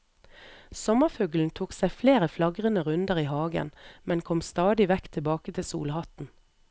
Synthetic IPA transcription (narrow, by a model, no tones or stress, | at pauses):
sɔməfœɡln̩t̪ʰuːksæɪfleːʁəflɑɡʁənəʁʉnd̪əʁiːhɑːɡə̰nmɛnkʰɔmst̪ɑːd̪ɪʋɛkt̪ʰɪbɑːkət̪ʰɪsṵːlhɑt̪n̩